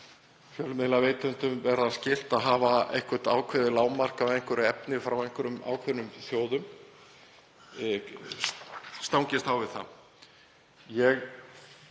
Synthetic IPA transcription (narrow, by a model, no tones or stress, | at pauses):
fjœlmɪðlaveːjt̪ɛnt̪ʏmvɛɾðascɪl̥t̪aðɦaːvaḛjŋ̥kʰɛr̥t̪a̰ːwkʰvɪðɪlaːwmar̥kaðejŋ̥kʏɾʏɛpnɪfɾawejŋ̥kʏɾʏma̰ːwkʰvɛɾnʏmθjoːwðʏm | st̪awŋcɪst̪awvɪðθa̰ | jɛɣ